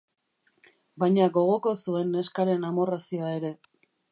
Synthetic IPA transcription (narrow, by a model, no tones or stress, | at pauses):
bajɲaɡo̞ɣ̞o̞ko̞sue̞nːe̞skaɾe̞namo̞rasioaeɾe̞